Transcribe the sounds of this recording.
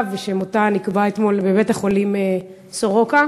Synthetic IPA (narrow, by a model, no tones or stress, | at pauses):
veʃemot̪anikbaet̪mo̞lbebet̪aχolime | soʁoka